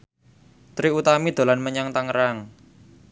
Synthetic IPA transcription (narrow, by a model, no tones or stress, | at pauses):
t̪ɾiut̪amid̪̥o̤lanməɲaŋt̪aŋəɾaŋ